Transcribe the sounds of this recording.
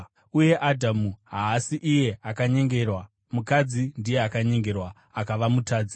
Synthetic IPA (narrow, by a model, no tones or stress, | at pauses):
uje̞ʔadʱamuɦaːsiʔije̞akaɲe̞ŋɡe̞rwa | mukad͡zindije̞akaɲe̞ŋɡe̞rwa | akaʋamutʰaːd͡zi